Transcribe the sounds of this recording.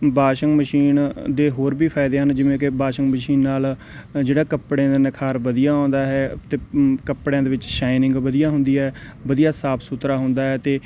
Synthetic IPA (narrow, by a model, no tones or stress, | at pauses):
baːʃəŋɡməʃiːnd̪eːɦoːɾbiːpʰaːɪd̪eːɦənd͡ʒɪʋẽːkɪbaːʃəŋɡməʃiːnːaːl | d͡ʒeːɽaːkəpɽẽːd̪aːnɪkʰaːɾʋəd̪ijaːõːnd̪aːɦɛːt̪eːkəpɽjãːd̪eːʋɪt͡ʃʃaːɪnɪ̃ŋɡʋəd̪ijaːɦʊ̃nd̪iːɛːʋəd̪ijaːsaːpʰsʊt̪ɾaːɦʊ̃nd̪aːɦɛːt̪eː